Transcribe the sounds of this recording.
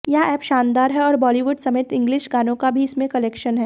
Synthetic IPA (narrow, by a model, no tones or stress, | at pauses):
jaɛːpʃaːnd̪aːɾɦɛɔːɾbɔːliʋʊɖsɐmeːt̪ɪ̃ŋɡlɪʃɡaːnõkabʱiɪsmẽkɐleːkʃənɦɛː